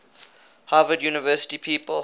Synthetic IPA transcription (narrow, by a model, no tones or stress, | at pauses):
haːvədjuːnɪvɜːˑsɪ̥tipʰiːpəl